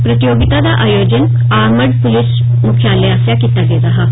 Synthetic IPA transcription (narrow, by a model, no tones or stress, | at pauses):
pɾət̪joɡit̪ad̪aʔajod͡ʑən | aməɽpulis | mukʰjaːleasjakit̪aɡeɾaɦa